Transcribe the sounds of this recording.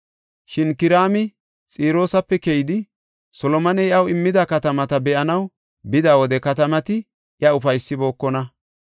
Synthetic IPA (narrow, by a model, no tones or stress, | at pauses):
ʃɪnkɪɾaːmɪ | t͡sʼiːɾo̞ːsɐpːɛkɛjɪd̪ɪ | sɔlɔmɐnɛjɪɐwɪmːɪd̪ɐkɐt̪ɐmɐt̪ɐbɛʔɐnɐw | bɪd̪aːwɔd̪ɛkɐt̪ɐmɐt̪ɪ | ʔjɐʊfɐjsːɪbo̞ːkːɔnɐ